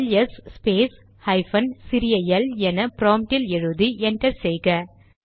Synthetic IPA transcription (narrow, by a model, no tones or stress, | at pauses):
lɐsspeːs | hɐɪfɐnsɪɾɪjɐjɐlɛnɐpɾoːmʈɪlɛɻɯðiɛnʈɐɾsɛjɣɐ